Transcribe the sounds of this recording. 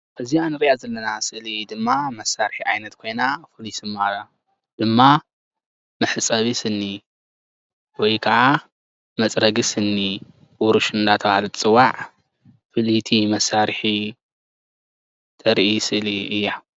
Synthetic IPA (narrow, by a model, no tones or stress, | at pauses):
ʔɨzianɨɾijazɐlːɐnasɨʔlid̪ɨmːamɐsːaɾħiʕajnɐt̪kʰo̞jnafɨlisɨmːaa | d̪̥ɨmːa | mɨħɨsʼɐβisɨnːi | wɔjkʰɐʕa | mɐt͡sʼɾɐɡisɨnːi | wɔɾuʃɨnd̪at̪ʰɐβahalɨt͡sʼɨwaʕ | fɨlit̪ʰimɐsːaɾħi | t̪ʼɐɾʔisɨʔliʔɨjːa